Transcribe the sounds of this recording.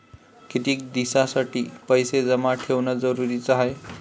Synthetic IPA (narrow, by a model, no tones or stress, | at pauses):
kʰit̪ik̚d̪isasʌʈipʌjsed͡zʌmaʈʰewnʌd͡zʌɾuɾit͡saɦʌj